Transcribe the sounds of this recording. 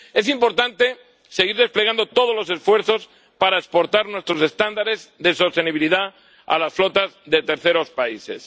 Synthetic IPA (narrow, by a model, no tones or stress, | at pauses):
e̞simpo̞ɾt̪ant̪e̞ | se̞ɣ̞iɾð̞espleɣand̪o̞t̪o̞ð̞o̞zlo̞se̞sfwe̞ɾθo̞s | paɾaekspo̞ɾt̪aɾnwe̞st̪ɾo̞se̞st̪and̪aɾe̞zðe̞so̞st̪e̞niβiliða | a̰lasflo̞t̪azðe̞t̪e̞ɾθe̞ɾo̞spaise̞̰s